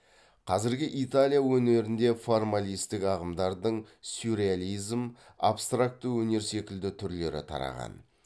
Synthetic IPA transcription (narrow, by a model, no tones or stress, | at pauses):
qʰɑzɪɾɡʲɪʔit̪alʲijawɵne̞ɾɪnd̪e̞formalijst̪ɪkɑʁəmd̪ɑɾd̪əɴsuɾʲealˠijzm | a̰pst̪rak̚t̪ːəwɵne̞ɾse̞kʲɪld̪ɪt̪ʰʏɾle̞ɾɪ̰t̪ʰɑ̰ɾɑ̰ʁɑ̰n